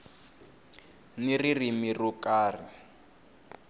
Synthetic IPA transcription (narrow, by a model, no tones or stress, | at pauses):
niririmirukʼaːri